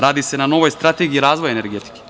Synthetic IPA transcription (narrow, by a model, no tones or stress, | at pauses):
ɾaːd̪isenano̞ʋojst̪ɾat̪eɡiɾaːzʋojeneɾɡet̪i̥ke̥